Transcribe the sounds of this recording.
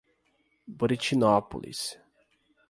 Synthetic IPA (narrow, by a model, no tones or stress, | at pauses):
bɾit͡ʃinɔpṵlḭs